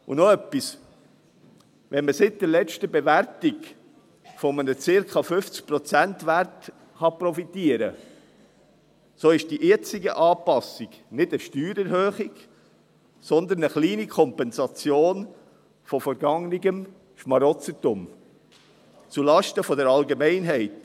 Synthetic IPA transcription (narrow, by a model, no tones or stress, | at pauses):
ṵnɔœpːis | ʋɛnməsɪt̚d̥̪əlɛt͡ʃtəbɛvæɾtɪɡ | fɔmənət͡sɪɾkʰɑfʏft͡sk̚pɾɔt͡sæntʋæɾt | χɑpɾɔfitiəɾə | soːɪʃd̥iʔjɛt͡sɪɡəʔɑːpɑsiɡ | nɪdəʃtyːɾɛɾhøːχɪɡ̥ | sɔnd̪ənəχliːnikʰɔmpɛnzɑt͡sjoːn | fɔfɔɾɡɑŋniɡəm | ʃmɑɾɔt͡sətʊm | t͡sulɑʃtəfɔdəɾɑlɡemɛɪnɦɛɪt